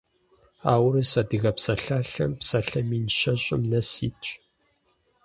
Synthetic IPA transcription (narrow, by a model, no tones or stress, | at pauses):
aːwɾɨsɐdɨɣɐpsɐɬaːɬɐ̰mpsɐɬɐmiːnʃɐɕʼɪ̰mnɐsiːtʼɕʼ